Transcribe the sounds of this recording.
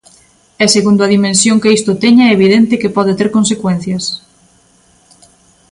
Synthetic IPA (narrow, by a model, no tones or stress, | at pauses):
ɛseɣund̪ʊɐðimẽnsjoŋkɪist̪ʊt̪ɛɲaɛeβiðent̪ɪkɪpɔðɪt̪eɾkonsekwɛn̟θjɐs